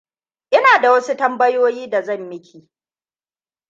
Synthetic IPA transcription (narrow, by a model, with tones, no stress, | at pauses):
ʔɪ˦naː˨da˨wɐ˦su˦tɐ˦mbɐ˦joː˦jiː˦da˨zɐ˦˨mjɪ˦kʲʰiː˨